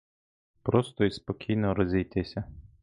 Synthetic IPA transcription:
pɾɔst̪ɔispɔkʲʰijnɔɾɔzʲijt̪ɪsʲɐ

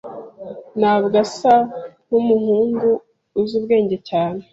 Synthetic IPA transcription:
naːbɡasanumuhuːŋɡuː | zubɡe̞ːɲɟe̞caːne

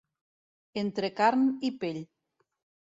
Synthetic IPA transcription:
ent̪ɾekaɾnipeʎ

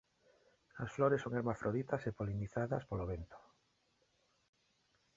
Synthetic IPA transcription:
asfloɾesːoŋeɾmafɾʔoðit̪asepoliniθaðaspoloβent̪o̥

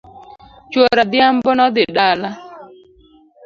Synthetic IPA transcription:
t͡ʃwoɾad̪jambɔnɔd̪ɪɗala

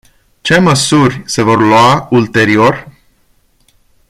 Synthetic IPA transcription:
t͡ʃe̞məsurʲse̞vo̞rlwault̪e̞ɾio̞rʲ

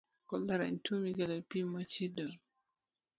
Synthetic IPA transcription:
kɔlaɾa̰ntʰumiɡalɔpimːat͡ʃidɔ

